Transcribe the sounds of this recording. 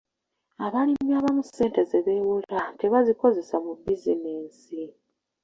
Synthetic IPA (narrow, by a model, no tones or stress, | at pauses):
aβalimjaːβamuse̞ːnte̞zeβe̞ːwulate̞βaziko̞ze̞samubizineːnsi